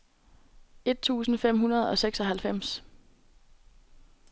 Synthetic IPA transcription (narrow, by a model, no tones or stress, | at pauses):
e̝d̥̚t͡sʰṵːsn̩fem̰ɦunɐð̞ˠɒ̽seɡ̥sɒɦælfem̰s